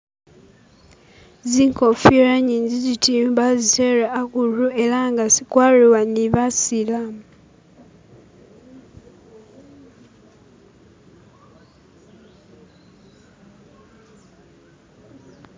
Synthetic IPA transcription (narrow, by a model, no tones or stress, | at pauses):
ziŋkofiɾaɲinzizitʰimbaziteɾaːkuluʔelaŋɡasikwariwaniβasilam